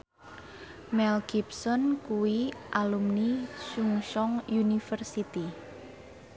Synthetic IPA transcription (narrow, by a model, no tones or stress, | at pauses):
mɛlɡ̥ipsɔnkuwiʔalumnisuŋʃɔŋjunifərsit̪i